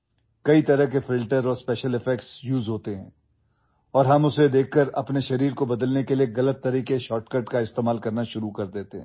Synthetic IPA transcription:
kɐit̪ɐɾəɦkefɪlʈəɾɔːɾspɛːʃəlɪfɛkʈsjuːzɦoːt̪eɦɛ̃ː | ɔːɾɦɐmʊsed̪eːkʰːəɾɐ̰pneʃɐɾiːɾkobɐd̪əlnekelieɣɐlət̪ːɐɾiːqeʃɔːʈkəʈkaɪst̪eːmaːlkɐɾnaʃʊɾukɐɾd̪eːt̪eɦɛ̃ː

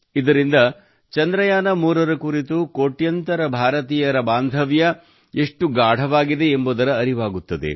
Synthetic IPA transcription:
id̪ɐɾind̪ɐ | t͡ʃɐnd̪ɾɐjaːnɐmuːɾɐɾɐkuɾit̪ukoːʈjɐnt̪ɐɾɐbʱaːɾɐt̪iːjɐɾɐbaːnd̪ʱɐʋjɐ | eʂʈuɡaːɽ̤ʱɐʋaːɡid̪e̞ːmbuːd̪ɐɾɐːɾiʋaːɡut̪ːɐd̪ḛ

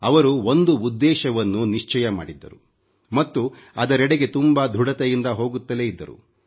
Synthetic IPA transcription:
ɐʋɐɾuo̞nd̪uːd̪ːɛːʃɐʋɐnːuniʂt͡ʃɐjɐma̰ːɽid̪ːɐɾu | mɐt̪ːuɐd̪ɐɾɛɽeɡe̞t̪umbɐd̪ʱuɽɐt̪ejind̪ɐɦo̞ːɡut̪ːɐle̞ːid̪ːɐɾṵ

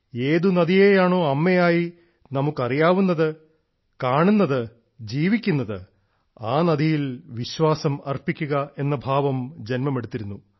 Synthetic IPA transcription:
e̞ːðunɐd̪ijeːjaːɳo̞ːɐmːejaːji | nɐmukːɐrijaːʋunːɐðɨ | kaːɳunːɐðɨ | d͡ʑiːʋikʲːunːɐðɨ | aːnɐd̪ijilʋiɕʋaːsɐmɐrpikʲːuɣɐe̞nːɐbʱaːʋɐmd͡ʑe̞nmɐme̞ɽut̪ːiɾunːu

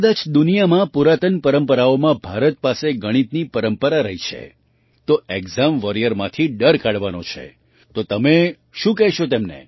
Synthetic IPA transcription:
kəd̪ad͡ʒd̪unijamãpuɾat̪ənpəɾəmpəɾaomãbʱaɾət̪̚paseɡəɽ̃it̪nipəɾəmpəɾaɾəɦit͡ʃʰḛ | t̪oeɡzamʋəɾijəɾmã̰t̪ʰiɖəɾkaɽʋanot͡ʃʰḛ | t̪ot̪əme | ʃũkɛɦʃot̪emnḛ

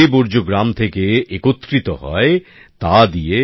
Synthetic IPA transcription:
eboɾd͡ʑoɡɾamt̪ʰekeekot̪ːkɾit̪oɦɔ̰e | t̪ad̪ie

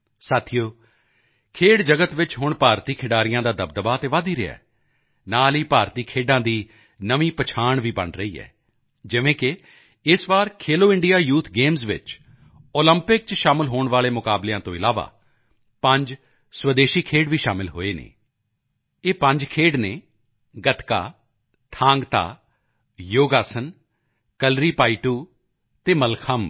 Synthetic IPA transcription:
saːt̪ʰɪjoː | kʰeːɖd͡ʒəɡət̪ʋɪt͡ʃɦʊɳpaːɾt̪iːkʰɪɖaːɾɪjãːd̪aːd̪əb̚d̪əbaːət̪eːʋaːd̪iːɾɪa̰ː | naːliːpaːɾt̪iːkʰeːɖãːd̪iː | nəʋĩːpət͡ʃʰaːɳʋiːbə̰ɳɾəḭːɛ̰ː | d͡ʒɪʋẽːkɪ | ɪsʋaːɾkʰeːloːɪ̃ɳɖɪjaːjuːt̪ʰɡeːmsʋɪ̰t͡ʃ | oːləmpɪk̚t͡ʃʃaːmɪlɦoːɳ̃ʋaːleːmʊkaːblejãːt̪õːɪlaːʋa̰ː | pə̃ɲd͡ʒ | swəd̪eːʃiːkʰeːɽʋiːʃa̰ːmɪlɦo̰ːeːnḛː | eːpə̃ɲd͡ʒkʰeːɽneː | ɡət̪ka̰ː | t̪ʰãːŋɡt̪a̰ː | joːɡaːsən | kəlɾiːpaːiʈuː | t̪eːməlkʰəm

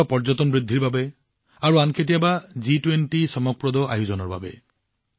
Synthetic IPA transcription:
apɔɾd͡ʒɔt̪ɔnbɾid̪ʱːiɾbabe | aɾuankʰet̪̬ijabad͡ʒiʈwenʈisɔmɔk̚pɾɔd̪ɔʔajud͡ʒɔnɔɾba̰be

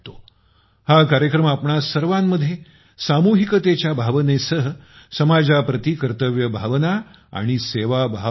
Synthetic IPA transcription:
t̪o | hakaɾjəkɾəmapɳasəɾʋãmːəd̪ʱːje | samuɦikət̪et͡ɕjabʱaʋənesəɦə | səmad͡zapɾət̪ikəɾt̪əʋjəbʱaʋna | a̰ɽ̃iseʋabʱa

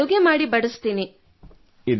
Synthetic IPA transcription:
uɡemaːɽibɐɽust̪iːni | id̪

